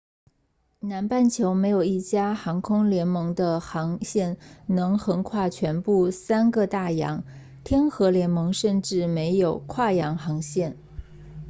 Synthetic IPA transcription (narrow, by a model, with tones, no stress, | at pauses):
na˧˥npa˥˩nt͡ɕʰjo˧˥ʊme˧˥ɪjo˨˩ʊi˥˩t͡ɕja˥xɑ˧˥ŋkʰʊ˥ŋljɛ˧˥nmɤ˧˥ŋd̪ə˧xɑ˧˥ŋɕjɛ˥˩nnɤ˧˥ŋxə˧˥ŋkʰwa˥˩t͡ɕʰɥɛ˧˥npu˥˩sa˥nɡə˧t̪a˥˩jɑ̰˧˥ŋ | t̪ʰjɛ˥nxɤ˧˥ljɛ˧˥nmɤ˧˥ŋʂə˥˧nʈ͡ʂɻ̩˥˩me˧˥ɪjo˨˩ʊkʰwa˥˩jɑ˧˥ŋxɑ˧˥ŋɕjɛ˥˩n